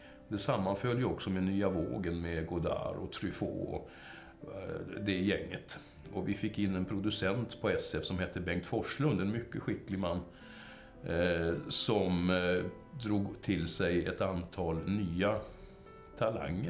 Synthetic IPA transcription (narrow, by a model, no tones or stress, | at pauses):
d̪ɛsamːanfœljɔksɔmɛnyːavo̰ːɡənmeɡʊd̪a̰ːɾɔ̰t̪ʰɾʏfo̰ːɔ̰ | d̪ɛjɛŋːət̪ | ɔvɪfɪkːɪnːɛnpʰɾʊd̪ɵsɛnt̪pʰɔɛsɛfsɔmhɛt̪ʰːəbɛŋk̚t̪fɔʂlɵnd̪ɛnmʏkːəɧɪklɪɡmanː | sɔm | d̪ɾuːɡt̪ʰɪlsɛjɛt̪ant̪ʰɑːlnyːa | t̪ʰala̰ŋːə